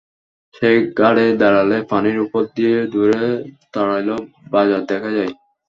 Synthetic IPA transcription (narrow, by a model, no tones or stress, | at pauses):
ʃeɡaɽed̪aɾalepaniɾupoɾd̪ied̪uɾet̪aɾajlo | bad͡ʑad̪ɛkʰad͡ʑaj